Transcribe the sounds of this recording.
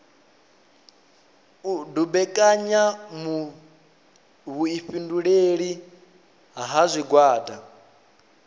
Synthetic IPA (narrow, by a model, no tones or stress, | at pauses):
udubɛkʼaɲamu | βuiɸinduɺeɺi | ɦaɦazʷiɡwaːda